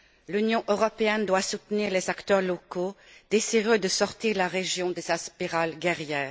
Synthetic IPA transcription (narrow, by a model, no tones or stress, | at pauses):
lynjɔ̃ʔøʁɔpeɛnd̪wasut̪niʁlezakt̪œʁlɔkod̪̥eziʁød̪əsɔʁt̪iʁlaʁeʒjɔ̃d̪ezaspiʁalɡɛʁjɛːʁ